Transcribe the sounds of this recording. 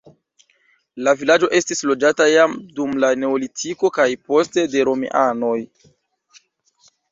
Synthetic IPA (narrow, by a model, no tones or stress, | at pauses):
lavilad͡ʒo̞ʔe̞stislo̞d͡ʒatajamdumlane̞olitʰiko̞kajpo̞ste̞de̞ɾo̞mḛʔano̞j